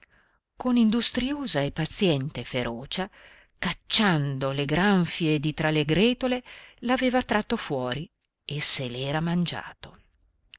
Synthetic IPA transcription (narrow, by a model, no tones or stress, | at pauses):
konind̪ust̪ɾioːzaepːat̪sjɛnt̪efeɾʔɔːt͡ʃa | kat͡ʃːand̪oleɡɾaɱfied̪it̪ɾaleɡɾɛːt̪olelaveːvat̪ɾat̪ːofwɔːɾi | esːelɛːɾamand͡ʒa̰ːt̪o